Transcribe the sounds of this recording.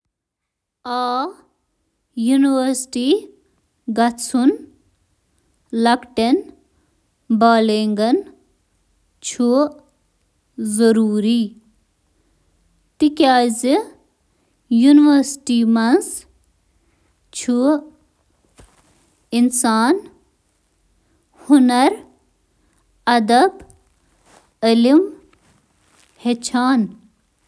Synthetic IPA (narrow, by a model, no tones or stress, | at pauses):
aː | juniʋɐɾsʈi | ɡɐt͡sʰun | lɐkʈen | baːleŋɡɐn | t͡ʃʰu | zɐɾuːɾi | t̪ikaːzi | juniʋɐɾsʈiːmɐns | t͡ʃʰu | insaːn | hunɐɾ | ɐd̪ɐb | əlim | het͡ʃʰaːn